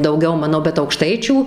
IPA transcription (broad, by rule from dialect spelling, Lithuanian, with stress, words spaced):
dɐʊˈɡʲɛʊ ˈmɑːnoː bʲɛt ɐʊkˈʃtɐɪt͡ʃʲuː